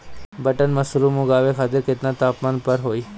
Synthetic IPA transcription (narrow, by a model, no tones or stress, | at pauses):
bɐʈənmɐsɾuːmʊɡaːʋekʰaːt̪ɪɾkɪt̪nãt̪aːpmənpɐɾɦoːiː